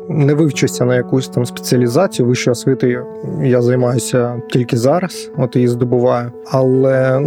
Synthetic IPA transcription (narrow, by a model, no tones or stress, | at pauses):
nɛʋɪwt͡ʃʊsʲɐnɐjɐkusʲt̪ɑmspe̥t͡sʲiɐlʲizɑt͡sʲijʊʋɪʃt͡ʃjɐsʋʲɪt̪ɪjʊ | jazɐjmɑjʊsʲɐtʲilʲkɪzɑɾɐs | ɔt̪jɐjizd̪ɔbʊʋɑjʊ | ɐlˠɛ